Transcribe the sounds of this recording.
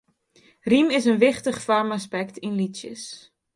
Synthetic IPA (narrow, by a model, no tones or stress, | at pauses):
rimɪsənʋɪχtəχfɔrmaspɛktʰinlisjə̰s